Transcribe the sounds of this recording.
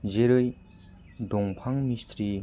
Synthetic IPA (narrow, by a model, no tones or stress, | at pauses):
ʑeɾəj | d̪oŋpʰaŋmist̪ɾi